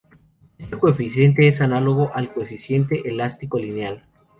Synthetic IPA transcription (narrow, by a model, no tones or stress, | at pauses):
est̪ekoefisje̞nt̪̬e̞es̬analo̞ɣo̞ʔalko̞efisje̞nt̪e̞ʔelast̪iko̞lineal